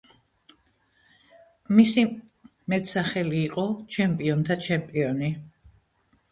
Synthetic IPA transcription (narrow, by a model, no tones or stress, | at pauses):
misimɛt̪ʰsaχɛliːqʼɔt͡ʃʰɛmpʼiɔnt̪ʰat͡ʃʰɛmpʼiɔni